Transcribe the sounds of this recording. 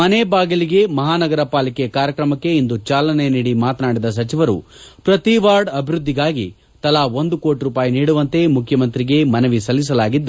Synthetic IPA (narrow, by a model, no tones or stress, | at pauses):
mɐnebaːɡiliɡe̞mɐɦaːnɐɡɐɾɐpaːlikekaːɾjɐkɾɐmɐkːe̞ind̪ut͡ʃaːlɐne̞niːɽimaːt̪naːɽid̪ɐs̬ɐt͡ʃiʋɐɾṵpɾɐt̪iʋaːɾɖɐbʱiɾud̪ːiɡaːɡi | t̪ɐlaond̪uko̞ːʈɾuːpaːjiniːɽuʋɐnt̪e̞mukʰjɐmɐnt̪ɾiɡe̞mɐnɐʋisɐlːis̬ɐlaːɡid̪ːu